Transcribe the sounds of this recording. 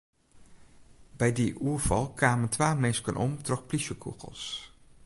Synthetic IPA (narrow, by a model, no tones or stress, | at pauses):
bɛjdiʔuːɹv̥ɑlˠkʋaːməntʋaːmɛnskənʔɔ̰mtrɔxpliʃəkʰṵɣə̰lˠs